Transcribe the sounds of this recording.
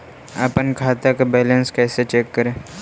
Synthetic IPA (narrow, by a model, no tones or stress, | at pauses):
ə̰pənkʰaːt̪akabɛːlənskɛːset͡ʃeːkːəɾẽː